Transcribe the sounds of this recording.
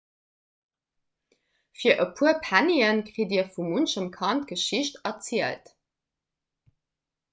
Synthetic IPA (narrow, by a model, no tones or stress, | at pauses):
fiːɐʔəpʰuɐpʰæniənkʁiːdiːɐfumunʃəmkʰɑntɡ̥əʃiʃtɐt͡siəlt